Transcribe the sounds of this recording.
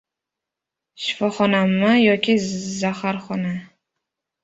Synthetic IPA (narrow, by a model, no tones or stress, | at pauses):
ʃɪ̥fɒχɒnamajɒkʲɪzahaɾχɒna